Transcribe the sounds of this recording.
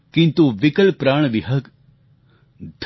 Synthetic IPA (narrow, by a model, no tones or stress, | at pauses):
kĩnt̪uʋɪkəlpɾaːɳ̃ʋiɦək | d̪ʱ